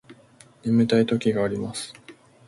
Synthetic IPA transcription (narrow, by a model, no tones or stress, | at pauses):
nemet̪ait̪o̞kʲiɡaːɾʲimasɨ̥